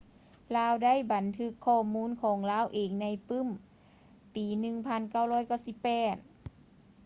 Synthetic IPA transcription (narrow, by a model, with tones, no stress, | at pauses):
laː˧˥˨wda˥˨jba˨˦nt̪ʰɯ˧˥kʰːɔː˧˩muː˧˥˨nkʰɔː˨˦ŋlaː˧˥˨wʔeː˨˩ŋna˧˥jpɯ˧˥˨m | piː˨˦nɯ˧ŋpʰa˧˥˨nka˧˥˩wɾɔː˧˥˨jka˥˩wsi˧˦pːɛː˧˩t̪̚